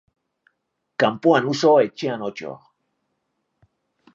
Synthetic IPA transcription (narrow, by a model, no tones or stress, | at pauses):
kampuanusoet͡ʃeanot͡ʃo̰